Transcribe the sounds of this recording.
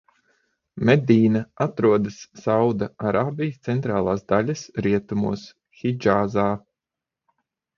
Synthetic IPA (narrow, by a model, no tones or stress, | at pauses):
med̪iːnaat̪ɾuɔd̪ɨsːawd̪aaɾaːbijst̪sɛnt̪ɾaːlˠaːsd̪alʲasɾiɛt̪umṵɔs | xid͡ʒaːzaː